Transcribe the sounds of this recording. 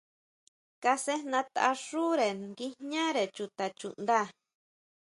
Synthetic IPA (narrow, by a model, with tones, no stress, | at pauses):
ka˧se˦nã˧t̪a̰˧ʂu˦ɾe˨ŋɡi˦ɲã˦ɾe˨t͡ʃu˧t̪a˨t͡ʃṵ˨nd̪a˦˨